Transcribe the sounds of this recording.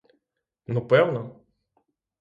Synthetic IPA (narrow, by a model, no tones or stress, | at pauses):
nupɛwnɐ